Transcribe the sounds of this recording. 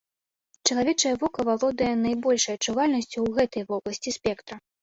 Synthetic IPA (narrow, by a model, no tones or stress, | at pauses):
t͡ʂt͡ʃɐlˠavʲɛt͡ʂɐjɐvɔkɐvalˠɔd̪ɐjɛnɐjbɔlʲʂɐjɐt͡ʂːuvalʲnɐsʲt͡sʲuwɣɛt̪ɐjvɔblˠɐsʲt͡sʲispʲɛkt̪ɾɐ